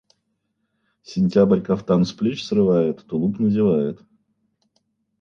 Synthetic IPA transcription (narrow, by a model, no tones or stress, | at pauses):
sʲɪnʲtʲabərʲkɐft̪ansplʲit͡ɕsrɨvajɪt̪t̪ʊlˠupnəzʲɪvajɪt̪